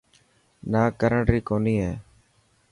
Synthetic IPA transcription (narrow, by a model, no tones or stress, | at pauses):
naːkəɾəɳʈɾiːkoːniːɦɛː